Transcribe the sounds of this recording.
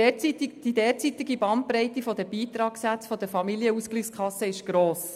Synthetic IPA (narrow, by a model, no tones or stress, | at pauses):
d̥idɛːt͡sit̪ɪɡibɑnt̚pɾɛɪt̪ifɔd̪əbiːt̪ɾɑːksæt͡sfɔd̪əfɑmiliəuskliːχskʰɑsːəɪʃɡ̥ɾoːs